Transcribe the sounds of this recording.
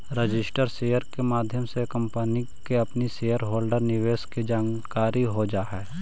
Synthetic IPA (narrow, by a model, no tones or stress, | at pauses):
ɾɪd͡ʒɪsʈəɾseːjəɾkemaːd̪ʱjəmsekə̃mpənikeɐpniseːjəɾɦoːlɖəɾnɪʋeːskid͡ʒaːnkaːɾiɦod͡ʒaːɦɛː